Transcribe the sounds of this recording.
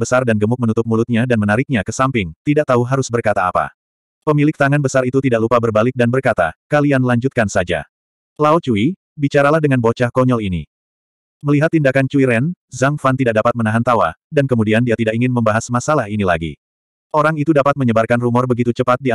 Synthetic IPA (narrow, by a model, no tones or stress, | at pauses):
bəsardanɡəmʊk̚mənut̪ʊp̚mulʊt̪̚ɲadanmənaɾɪk̚ɲakəsampɪŋt̪idaʔ̚t̪auɦaɾʊsbərkat̪aːpa̰ | pəmilɪk̚t̪aŋanbəsaɾit̪ut̪idaʔlupabərbalɪk̚danbərkat̪a̰kalianlaɲd͡ʒut̪̚kansad͡ʒa̰ | laut͡ʃui | bit͡ʃaɾalahdəŋanbot͡ʃahkɔɲɔlini | məliɦat̪ːindakant͡ʃuiɾɛn | zaŋfant̪idaʔ̚dapat̪̚mənaɦant̪awa̰dankəmudiandiat̪idaʔkiŋɪnməmbaɦasmasalahinilaɡḭ | ʔoɾaŋit̪udapat̪̚məɲəbarkanrumɔrbəɡit̪ut͡ʃəpat̪̚di